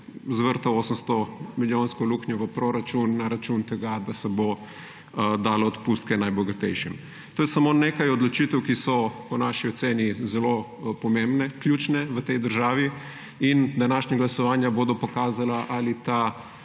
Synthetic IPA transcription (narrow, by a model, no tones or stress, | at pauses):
zʋəɾt̪aoːsəmst̪ɔmiljõnskoluːkɲɔʋəpɾoɾat͡ʃunːaɾat͡ʃunt̪ɛɡad̪asɛbo | d̪aːloot̪pust̪̚kɛnajbɔɡat̪ɛjʃɛm | t̪oːjɛsamonekajɔd̪lɔt͡ʃit̪ɛwkisɔponaʃiɔt̪seːnizɛlo | pɔmẽmbnɛklʲjuːt͡ʃnɛʋət̪ɛjd̪əɾʒaːʋi | ind̪anaʃɲaɡlasɔʋaːnjaboːd̪ɔpɔkaːzalaʔalit̪a